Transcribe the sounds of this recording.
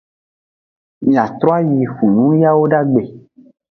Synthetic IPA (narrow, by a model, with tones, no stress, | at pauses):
mĩ˨a˨t̪ɾɔ˦a˦ji˨fũ˨nũ˦ja˦wo˦ɖa˦ɡ͡be˨